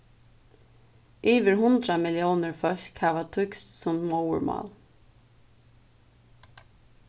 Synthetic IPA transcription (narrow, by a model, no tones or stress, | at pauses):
ʔiːvɪɾhʊnt̪ɾamɪljɔːwnɪɹfœl̥khaːʋat̪ʰʏkst̪sʊmmɔwə̰ɹmɑ̰ːl